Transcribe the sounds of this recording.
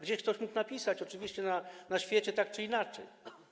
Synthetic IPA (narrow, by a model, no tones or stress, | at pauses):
ɡd͡ʑɛɕkt̪ɔɕmuknapʲisat͡ɕɔt͡ʂɘvʲiɕt͡ɕɛnanaɕfʲjɛt͡ɕɛt̪ak̚t͡ʂɨinat͡ʂɛ̰j